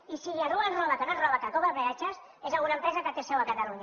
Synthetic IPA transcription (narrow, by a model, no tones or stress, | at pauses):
isiliaruanrɔβakanonrɔβakakɔβaβeat͡ʃas | ezalɣunɐempɾɛzakat̪esɛwakat̪aluɲa